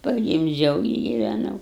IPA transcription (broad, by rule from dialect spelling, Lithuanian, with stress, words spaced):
pɐɡʲɪmʲˈd͡ʒʲɛʊ ɪ ɡʲɪʋʲɛˈnɐʊ